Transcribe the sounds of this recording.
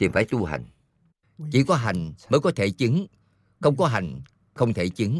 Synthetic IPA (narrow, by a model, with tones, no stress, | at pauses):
t̪i˨˩mfaː˧˩jt̪u˧hɦa̰˨˩jŋ̟ | t͡ɕḭ˧˩kɔ˨˦ɦa˨˩jŋ̟məː˨˦jkɔ˨˦t̪ʰe˧˩t͡ɕɨ˨˦ŋ | xə˧wŋ͡mkɔ˨˦ɦa˨˩jŋ̟ | xə˧wŋ͡mt̪ʰe˧˩t͡ɕɨ˨˦ŋ